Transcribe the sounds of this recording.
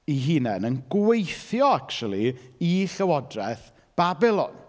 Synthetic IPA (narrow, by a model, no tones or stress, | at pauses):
iɦinɛnənɡwejθjɔakt͡ʃulˠiiɬəwɔdrɛθ | b̥abɪlˠɔ̰n